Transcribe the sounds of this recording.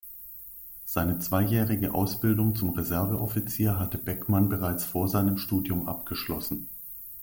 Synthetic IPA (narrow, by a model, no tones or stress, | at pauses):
z̥aɪnət͡sv̥aɪjɛːʁɪɡəʔa̰ʊsb̥ɪldʊŋt͡sʊmʁezɛɐvəʔɔfit͡siːɐɦatəbɛkmanbəʁaɪt͡sfoːɐzaɪnəmʃtuːdjʊmʔa̰pɡ̥əʃlɔ̰sn̩